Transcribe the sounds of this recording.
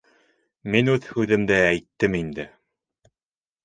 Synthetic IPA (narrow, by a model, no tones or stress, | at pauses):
minʉðhʉðɘ̆md̪ɘæjt̪ːɘmind̪ɘ